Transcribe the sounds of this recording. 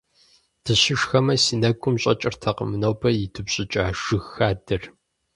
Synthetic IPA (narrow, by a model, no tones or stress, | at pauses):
d̥ʰɨɕɪʂxɐmɐsinɐɡʷʼʊmɕʼɐ̰t͡ʃʼɪrtʰɐqə̰mɨnɐwbɐjɪtʰɨbɕʼɪt͡ʃʼaːʒɨɣxaːdɨr